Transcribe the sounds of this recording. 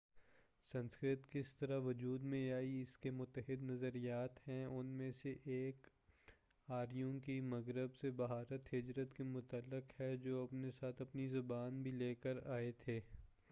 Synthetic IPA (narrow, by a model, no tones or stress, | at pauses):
sɐ̃nskɾɪt̪kɪst̪ɐɾaʋʊd͡ʒuːd̪mẽaːiɪskemʊt̪ːəɦɪd̪nɐzəɾijaːt̪hɛ̃ʊnmẽseʔeːk | aːɾijõkimɐɣɾəbsebɐɦaːɾət̪ɦɪd͡ʒɾət̪kemʊt̪əlːɪqhɛd͡ʒoːɐpnesaːt̪ʰɐpnizʊbaːnbʱileːkəɾaːet̪ʰeː